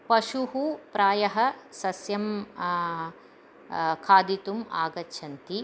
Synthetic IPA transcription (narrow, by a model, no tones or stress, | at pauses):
pɐʃuɦupɾaːjɐɦɐ̆sɐsjɐm | kʰaːd̪it̪umaːɡɐtːʃʰɐnt̪i